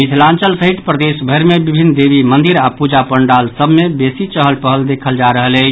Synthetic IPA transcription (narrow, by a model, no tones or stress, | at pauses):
mit̪ʰlãnt͡ʃəlsəɦit̪pɾəd̪esbʱəɾmebibʱinːd̪ebimənd̪iɾapud͡ʒapəɳɖalsəbmebesit͡ʃəɦəlpəɦəld̪ekʰəld͡ʒaɾəɦəlɛ